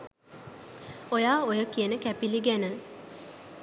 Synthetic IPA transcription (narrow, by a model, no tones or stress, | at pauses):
ojaːojəkiənəkæpiliɡænə